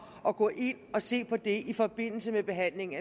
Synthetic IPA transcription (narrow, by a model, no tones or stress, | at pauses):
ɒ̽ɡ̥ɔ̰ːʔe̝n̰ɒ̽se̝̰ːpʰɒ̽d̥e̝ifɒ̽b̥e̝n̰l̩səmeb̥e̝ɦæn̰le̝ŋ̩æ